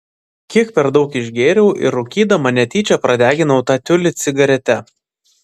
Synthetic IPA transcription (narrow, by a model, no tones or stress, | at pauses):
kʲiɛkpʲɛɾd̪ɒʊkɪʒʲɡʲeːɾʲɛʊʔɪ̰ɾʊkʲiːd̪ɐmɐnʲɛt̪ʲiːt͡ʃʲɛpɾɐd̪ʲæːɡʲɪnɐʊt̪ɑːt̪ʲʊlʲɪt̪sʲɪɡɐɾʲɛt̪ʲɛ